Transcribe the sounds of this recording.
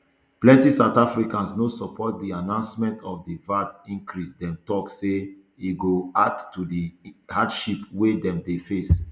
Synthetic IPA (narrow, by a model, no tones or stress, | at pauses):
plɛ̃ntisaʊtafɹikãnsnosɔpʰɔt̚dianãʊ̃nsmɛ̃ntʰɔfdivatĩŋkɹisdɛ̃mtɔkse | iɡoadtːudihadʃipwedɛ̃mdefes